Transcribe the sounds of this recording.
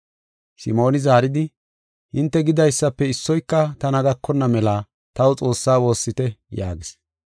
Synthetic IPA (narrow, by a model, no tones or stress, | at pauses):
sɪmo̞ːnɪzaːɾɪd̪ɪ | hɪnt̪ːɛɡɪd̪ɐjsːɐpːɛɪsːɔjkːɐt̪ɐnɐɡɐkːɔnːɐmɛlaː | t̪ɐwʊt͡sʼo̞ːsːaːwo̞ːsːɪt̪ɛja̰ːɡɪs